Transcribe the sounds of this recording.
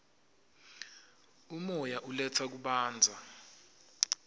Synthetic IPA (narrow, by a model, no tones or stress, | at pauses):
umɔjaʔulɛt͡sʰak̬uɓaːnd͡zʱa